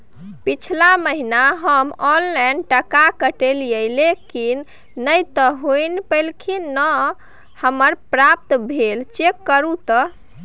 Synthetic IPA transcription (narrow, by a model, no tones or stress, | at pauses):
pit͡ʃʰlaməɦinaɦəmɔnlɛɳɖʈəkakəʈeljəjlekinː | əjt̪ɔɦojnpəlkʰinə | həməɾpɾap̚t̪bʱelt͡ʃekːəɾut̪ɔ